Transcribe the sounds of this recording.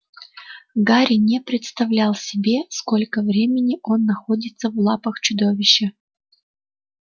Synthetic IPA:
ɡaɾʲɪnʲɪpɾʲɪt̪st̪ɐvlʲælˠsʲɪbʲe̞sko̞lʲkəvɾʲemʲɪnʲɪʔo̞nːɐxo̞dʲɪt̪səvlˠapəxt͡ɕʊd̪o̞vʲɪɕːə

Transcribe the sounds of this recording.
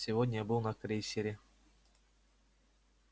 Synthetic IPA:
sʲɪvod̪ʲnʲabɨlˠnɐkrʲejsʲeɾʲe

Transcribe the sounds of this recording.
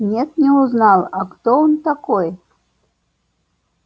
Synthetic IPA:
nʲɛt̪nʲɛuznɑlˠakt̪ɔɔnt̪akɔj

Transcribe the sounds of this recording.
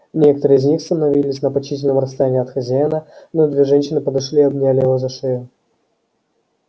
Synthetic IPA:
nʲekə̥t̪əɾɨizʲnʲixsənɐvʲilʲɪsʲnɐpɐt͡ɕːitʲɪlʲnəmrəst̪ɐjanʲiːɐt̪xɐzʲajnənod̪vʲeʐɛnʲɕɪnɨpəd̪ɐʂlʲiɐbnʲalʲɪjɪvozɐʂɨjʊ

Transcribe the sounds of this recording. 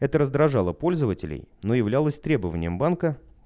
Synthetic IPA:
ɛt̪əɾəzd̪ɾɐʐalˠəpo̞lʲzəvətʲɪlʲɪ̰jnojɪvlʲalˠəsʲt̪ɾʲe̞bəvənʲɪ̰jəmbankə

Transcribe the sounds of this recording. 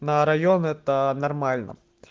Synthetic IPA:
nɐɾɐjɔnɪt̪ɐnɐrmɑlʲnɐ̰

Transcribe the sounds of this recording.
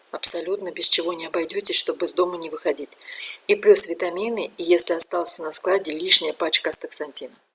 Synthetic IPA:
ɐpsɐlʲut̪nəbʲɪst͡ɕɪvo̞nʲɪɐbɐjdʲotʲɪʂt̪o̞bɨzd̪o̞mənʲɪvɨxɐdʲitʲiplʲusvʲɪt̪ɐmʲinɨɪjesʲlʲɪɐst̪alˠsʲənɐsklˠadʲɪlʲiʂnʲɪjəpat͡ɕkəst̪əksɐnʲtʲinə

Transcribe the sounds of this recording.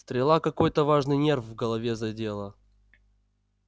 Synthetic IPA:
st̪ɾʲɪlˠakɐko̞jt̪əvaʐnɨjnʲe̞rfvɡəlˠɐvʲezɐdʲelˠə

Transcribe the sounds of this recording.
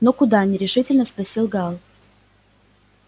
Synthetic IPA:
nokʊd̪anʲɪɾʲɪʂɨtʲɪlʲnəspɾɐsʲilˠɡalˠ

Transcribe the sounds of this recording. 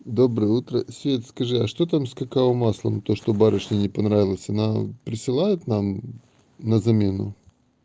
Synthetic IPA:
d̪o̞bɾɨjəut̪ɾəsʲvʲet̪ʲskɐʐɨɐʂt̪ot̪amskɐkaomaslˠəmt̪oʂt̪obaɾʲəʂnʲɪnʲɪpɐnɾavʲɪlˠəsʲɐnapɾʲɪsɨlˠajɪt̪nam | nəzɐmʲenʊ̰

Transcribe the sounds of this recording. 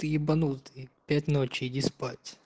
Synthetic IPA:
ɨibɐnut̪ɨpʲætʲnot͡ɕɪdʲispatʲ

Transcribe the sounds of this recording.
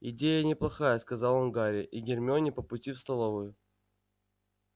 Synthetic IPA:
ɪdʲejənʲɪplˠɐxajəskɐzɑlˠonɡaɾʲɪʔiɡʲɪrmʲonʲɪpəpʊtʲifst̪ɐlˠovɨjʊ

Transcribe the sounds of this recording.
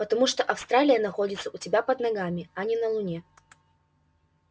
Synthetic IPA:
pət̪ɐmuʂt̪oʔɐfst̪ɾalʲɪjənɐxo̞dʲɪt̪səʊtʲɪbʲapəd̪nɐɡamʲɪɐnʲɪnɐlˠʊnʲe

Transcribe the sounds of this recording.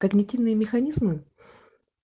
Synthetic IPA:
kəɡnʲɪtʲivnɨjəmʲɪxɐnʲizmɨ

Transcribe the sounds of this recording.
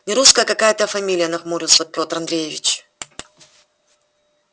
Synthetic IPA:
nʲɪɾuskəjəkɐkajət̪əfɐmʲilʲɪjənɐxmuɾʲɪlˠsəpʲo̞t̪ɾɐnd̪ɾʲejɪvʲɪt͡ɕ

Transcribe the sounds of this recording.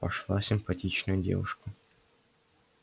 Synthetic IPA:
pɐʂlˠasʲɪmpɐtʲit͡ɕnəjʊdʲe̞̰vʊ̰ʂkə

